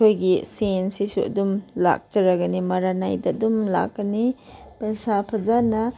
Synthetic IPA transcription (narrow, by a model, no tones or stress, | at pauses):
ojɡisensisuɐ̰dumla̰k̚t͡ʃɐɾaɡɐnimɐɾanajdɐdumla̰kːɐni | pɐsapʰɐzanɐ